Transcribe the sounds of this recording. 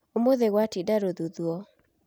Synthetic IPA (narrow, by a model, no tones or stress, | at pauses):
omoðeɣwatidaɾoðuðuɔ